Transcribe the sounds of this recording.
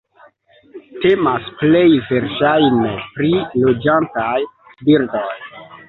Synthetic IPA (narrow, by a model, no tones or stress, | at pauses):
te̞masple̞jve̞ɾʃajnepɾilo̞d͡ʒantaj | biɾdoj